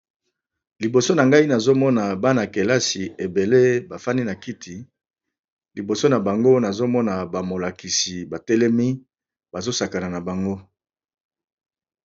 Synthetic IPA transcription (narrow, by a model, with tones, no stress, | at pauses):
li˨bo˨so˦na˨ŋɡa˦i˦na˨zo˦mɔ˦na˨ba˦na˨ke˨la˦si˨e˨be˨le˦ba˨fa˦ni˦na˨ki˦tʰi˨ | li˨bo˨so˦na˨ba˨ŋɡo˦na˨zo˦mɔ˦na˨ba˨mo˨la˨ki˨si˨ba˨tɛ˦lɛ˦mi˦ | ba˨zo˦sa˨ka˨na˨na˨ba˨ŋɡo˦